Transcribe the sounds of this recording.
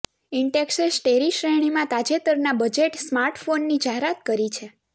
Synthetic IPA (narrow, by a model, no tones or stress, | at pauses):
ɪɳɖeksesʈeɾiʃɾeɽ̃imãt̪ad͡ʒet̪əɾnabəd͡ʒeʈsmaɾʈfonːid͡ʒaɦeɾat̪̚kəɾit͡ʃʰe